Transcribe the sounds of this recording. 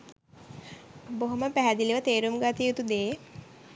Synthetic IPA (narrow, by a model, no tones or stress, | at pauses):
boɦoməpæɦæd̪iliʋət̪eːɾumɡat̪ijut̪ud̪eː